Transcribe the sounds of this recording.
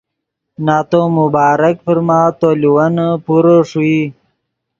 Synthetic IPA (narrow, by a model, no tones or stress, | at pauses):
naːt̪omubaːɾəkpəɾmaːt̪oːliwanpuɾoʂui